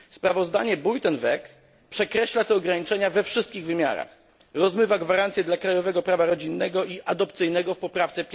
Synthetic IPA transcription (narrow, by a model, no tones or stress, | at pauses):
spɾavɔzd̪a̰ɲɛbujt̪ɛnvɛk | pʂɛkɾɛɕlat̪ɛɔɡɾaɲit͡ʂɛɲavɛfʂɘst̪kʲiɣvɘmʲja̰ɾa̰x | ɾɔzmɘvaɡvaɾant̪sʲjɛd̪lakɾajɔvɛɡɔpɾavaɾɔd͡ʑinːɛɡɔʔiʔad̪ɔpt̪sɘjnɛɡɔfpɔpɾaft̪sɛpʲ